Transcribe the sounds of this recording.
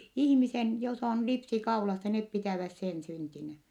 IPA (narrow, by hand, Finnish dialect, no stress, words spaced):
ihĭmisen jos on lipsi kɑulɑsːɑ net pitæˑʋæs sen syntinæ